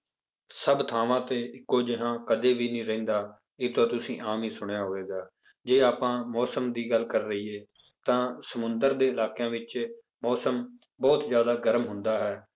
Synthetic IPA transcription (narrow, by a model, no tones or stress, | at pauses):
səbt̪ʰaːʋãːt̪eːɪkːoːd͡ʒɪɦãːkəd̪eːʋiːnĩːɾɛĩːnd̪aː | eːt̪õːt̪ʊsĩːʔaːmiːsʊɽjaːɦoːʋeːɡaː | d͡ʒeːaːpãːmɔːsəmd̪iːɡəlkəɾːəiːeː | t̪ãːsəmʊnd̪əɾd̪eːɪlaːkjãːʋɪt͡ʃ | mɔːsəm | bɔːt̪zjaːd̪aːɡəɾəmɦʊnd̪aːɦɛː